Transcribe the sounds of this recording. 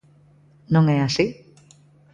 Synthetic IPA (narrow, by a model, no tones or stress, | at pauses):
nõŋeasi